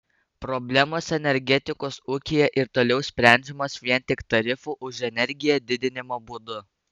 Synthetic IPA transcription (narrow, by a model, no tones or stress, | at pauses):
pɾɔbʲlʲɛmoːsɛnʲɛɾʲɡʲɛt̪ʲɪkoːsʊkʲɪjɛʔɪɾt̪oːlʲɛʊsʲpʲɾʲɛˑnʲd͡ʒʲɛmoːsʋʲiɛnʲt̪ʲɪkt̪ɐɾʲɪfuːʔʊʒɛnʲɛɾʲɡʲɪjɛd̪ʲɪd̪ʲɪnʲɪmoːbud̪ʊ